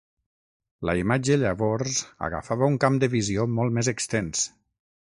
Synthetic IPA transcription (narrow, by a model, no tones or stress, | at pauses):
lə̰imad͡ʒəʎəβɔɾzə̰ɣə̰faβəuŋkamd̪əβiziomɔlˠt̪mezəkst̪ens